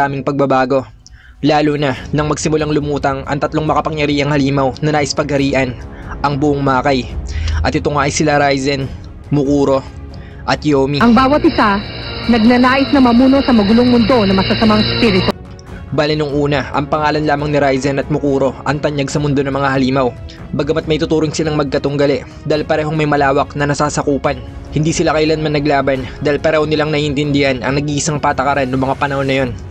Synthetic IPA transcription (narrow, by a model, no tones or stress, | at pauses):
aːmɪŋpɐɡ̚bɐbaːɡo̞ | laːlunɐnɐŋmɐɡsɪmʊlaŋlʊmuːt̪ɐŋʔɐ̰ŋt̪ɐt̪loŋmɐkɐpɐŋjɐɾiːʔɐŋhɐliːmɐwnɐnaːʔɪspɐɡ̚hɐɾiːʔɐnʔɐŋbʊʔoŋmaːkɐjʔɐt̪ɪt̪oŋaːʔɪsɪlaɾajzɛn | mʊkuːɾo̞ | ʔɐt̪̚joːmiʔɐŋbaːwɐt̪̚ɪsanɐɡ̚nɐnaːʔɪsnɐmɐmuːno̞sɐmɐɡʊloŋmʊnd̪o̞nɐmɐsɐsɐmaŋspiɾɪt̪o | baːlɪnoŋʔuːnɐʔɐ̰ŋpɐŋaːlɐnlaːmɐŋnɪɾajzɛnɐt̪̚mʊkuːɾo̞ʔɐŋt̪ɐɲjaɡsɐmʊnd̪o̞nɐŋmɐŋahɐliːmɐw | bɐɡɐmɐt̪̚mɐjt̪ʊt̪uːɾoŋsɪlaŋmɐɡ̚kɐt̪ʊŋɡɐlɛ | d̪aːilpɐɾɛːho̞ŋmɐjmɐlaːwɐknɐnɐsaːsɐkuːpɐn | hɪnd̪iːsɪlakɐʔlanmɐnɐɡlaːbɐnd̪aːhilpɐɾɛːhonɪlaŋnɐʔiːʔɪnt̪ɪnd̪ɪhanʔɐ̰ŋnɐɡiːʔɪsaŋpaːt̪ɐkɐɾanːʊŋmɐŋapɐnɐho̞nːɐjo̞n